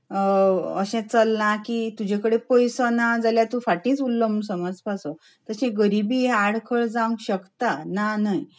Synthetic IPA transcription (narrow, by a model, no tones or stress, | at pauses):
əɕɛ̃t͡səlːãkit̪ud͡ʑekəɽepojsanad͡zaljat̪ũfaʈĩt͡sulːəmbnsəmad͡zpaso | t̪əɕẽɡəɾibiaɽkʰəɭd͡zãwɡɕəkt̪ananai